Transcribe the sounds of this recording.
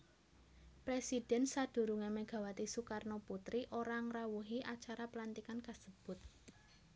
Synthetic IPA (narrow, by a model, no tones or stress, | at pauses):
pɾesid̥ɛ̤nsad̥ṳɾuŋemeɡ̥ä̤wat̪isukarnoput̪ɾiʔoɾaŋrawuɦiʔat͡ʃaɾapəlant̪ikankasəb̥ʊ̤t̪̚